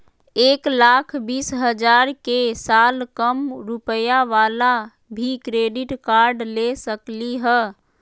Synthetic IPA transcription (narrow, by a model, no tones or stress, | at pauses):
eːklakʰbiːsɦəd͡ʒaːɾkesaːlkəmɾupəjaʋaːla | bʱikɾeːɖiʈkaɾɖlesəkliɦɛː